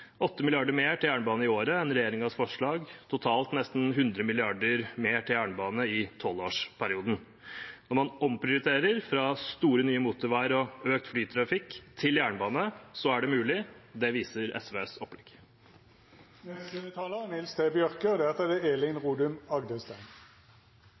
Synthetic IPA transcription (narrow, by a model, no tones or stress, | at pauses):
ɔt̪ːəmɪlɪɑɖəɾmeːʈʰɪljæːɳəbɑːnəɪoːɾəɛnɾɛjeːɾɪŋɑsfɔʂɭɑːɡt̪ʰʊt̪ʰɑːlt̪nɛst̪n̩ɦʉnd̪ɾəmɪlɪɑɖəɾmeːʈʰɪljæːɳəbɑːnəɪt̪ʰɔlːo̰ːʂpʰæɾɪuːd̪ən̩ | nɔɾmɑnɔmpʰɾɪʊɾɪt̪ʰeːɾəɾfɾɑst̪uːɾənyːəmuːt̪ʊɾʋæɪɾɔøːk̚t̪flyːt̪ʰɾɑfɪkt̪ʰɪljæːɳəbɑːnəsɔæɖɛmʉːlɪd̪ɛʋiːsəɾɛ̰sʋeːsɔpːlɛkː | t̪ʰɑːləʁnɪlst̪eːbjœʁkəd̪æʁt̪ɛd̪ɛeːlɪnʁuːd̪ʉmɑɡd̪əst̪æn